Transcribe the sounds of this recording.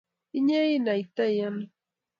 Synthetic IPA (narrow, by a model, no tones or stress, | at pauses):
ɪɲajnajt̪ajan